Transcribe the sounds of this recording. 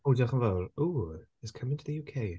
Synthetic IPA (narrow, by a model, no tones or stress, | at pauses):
odaχə̃nvɛluɪskʰʌ̃mɪ̃ŋtʰəðəjuːkʰeɪ